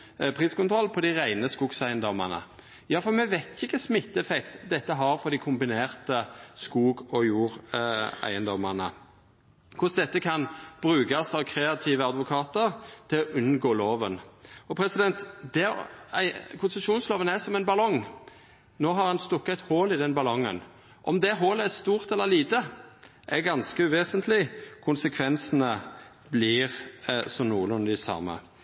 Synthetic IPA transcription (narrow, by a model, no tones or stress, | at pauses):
pʰʁiːskʊnt̪ʰɾɔlːpʰɔd̪æɪʁæɪnəskuːɡsæɪənd̪ɔmə̰nə̰ | jɑːfɔɾmɛʋæɪt̪çɪkːəsmɪt̪ːəɛfɛkt̪d̪ɛt̪ːəɦɑɾfɔd̪ɪkʰʊmbɪneːʁt̪əskuːɡɔjuːʁæ̰ɪənd̪ɔmənə̰ | kʰʊsd̪ɛt̪ːəkʰɑnb̥ɾʉːɡɑsɑʋkʰɾeːɑt̪ʰiːʋəɑd̪ʋʊkʰɑːt̪əʁt̪ʰɪlɔʔʉnɡoːloːʋənɔpʰɾɛsɪd̪ɛnt̪d̪ɛæ̰ɪkʰʊnsəʃuːnsloːʋənæsɔmɛɪnbɑlɔŋ | noːɦɑʁhɑnst̪ɔkːɑt̪hoːlɪd̪ɛnbɑlɔŋːə̰n | ʔɔ̰md̪ɛɦoːləæst̪uːʁt̪ɛlːəliːt̪ə | ʔɛɡɑnskəʉʋeːsənt̪ʰlɪkʰʊnsəkʰʋɛnsənə | bliːʁsɔmnuːəlɔmd̪ɪsɑ̰mə̰